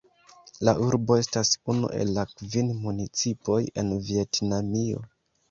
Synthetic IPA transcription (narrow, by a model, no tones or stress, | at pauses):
laʔuɾbo̞e̞stasunṵʔe̞̰lːakvinmunit͡sipo̞je̞̰nvie̞tnamio̞̰